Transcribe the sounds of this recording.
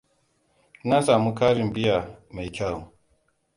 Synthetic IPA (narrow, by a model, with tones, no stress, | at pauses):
na˦sa˨mu˦ka˦ɾi˨m˨bi˦a˨ma˨i˨kʰa˦˨u˨